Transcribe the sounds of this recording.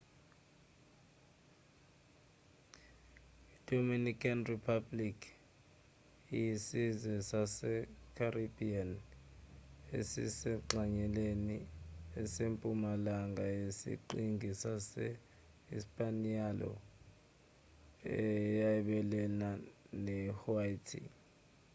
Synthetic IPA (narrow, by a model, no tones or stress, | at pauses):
id̥ʱominikʰʼanripʰablikʰ | ijisizɛsasɛkʰaribian | ḛsḭsɛǃaɲɛleniɛsempʼumalaŋɡʱajesḭǃiŋɡʱisasɛ | ispʼanialɔ̰ | ɛjaɛɓɛlɛnanɛhuaitʰḭ